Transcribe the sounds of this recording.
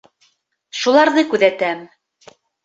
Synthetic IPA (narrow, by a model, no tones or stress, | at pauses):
ʃulˠɑɾðɤkʉðæt̪æm